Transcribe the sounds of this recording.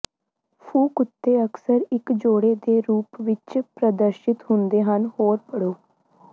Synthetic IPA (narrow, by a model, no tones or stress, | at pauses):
pʰũːkʊt̪ːeːəksəɾɪkd͡ʒoːɽeːd̪eːɾuːpʋɪt͡ʃpɾəd̪əɾʃɪt̪hʊnd̪eːɦənhoːɾpəɽoː